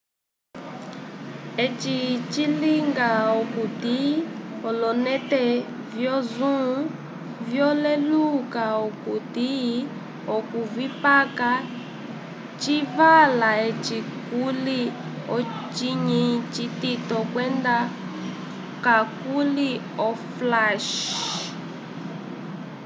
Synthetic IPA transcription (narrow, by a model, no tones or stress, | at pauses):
ɛt͡ʃit͡ʃiliŋɡaɔkutiɔlɔnɛtɛ | vjɔzũ | vjɔlɛlukaɔkuti | ɔkuvipaka | t͡ʃivalaɛt͡ʃikuli | ɔt͡ʃiɲit͡ʃititɔkwɛnda | kakuli | ɔflaʃ